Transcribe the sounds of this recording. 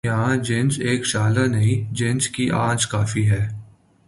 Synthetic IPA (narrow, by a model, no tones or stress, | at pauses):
ɐɦãd͡ʒẽːnseːkʃaːlanɐɦĩd͡ʒẽːnskiʔã̰ːd͡ʒkaːfiɦɛː